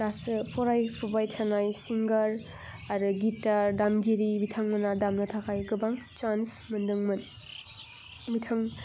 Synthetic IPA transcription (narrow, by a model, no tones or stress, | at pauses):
dasɯpʰɔɾajpʰubajtʰanajsiŋɡɐɾ | aɾɯɡitaɾdamɡiɾibitʰaŋmɯnadamnɐtʰakʰajɡɯbaŋt͡ʃansmɯndɯŋmɯn | bitʰaŋ